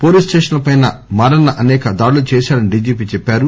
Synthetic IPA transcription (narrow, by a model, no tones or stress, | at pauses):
poːliːsʈeːʂɐnlɐpɐjnɐmaːɾɐnɐʔɐnɛːkɐd̪aːɽulut͡ʃɛːʃaːɽɐniɖiːd͡ʒiːp̬iːt͡ʃɛpːaːɾu